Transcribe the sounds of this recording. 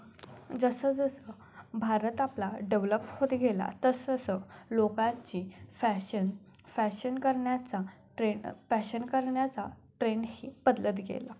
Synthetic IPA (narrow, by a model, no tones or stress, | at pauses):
d͡zəsəd͡zəsə | bʱaɾət̪aplaɖeʋləpːhot̪ɡʱela̰t̪əsəsəlokãt͡ɕiːfæɕən | fæɕənkəɾɳjat͡sa | ʈɾefæɕənkəɾɳjat͡saʈɾeɳhiːpəd̪lət̪ɡʱḛla